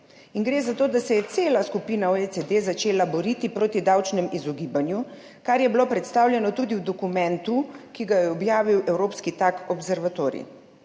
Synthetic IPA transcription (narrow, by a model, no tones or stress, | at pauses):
iŋɡɾeːzat̪oːd̪asɛjɛt̪seːlaskupiːnaoet͡s̪ed̪ezat͡ʃeːlabɔɾiːt̪ipɾoːt̪id̪awt͡ʃnɛmizɔɡiːbanju | kaɾjɛbilopɾɛt̪st̪aːwlʲjɛnɔt̪ud̪iwd̪ɔkumɛnt̪ukiɡajɛɔbjaːʋiwɛwɾoːpskit̪akɔbsɛɾʋat̪oːɾḭ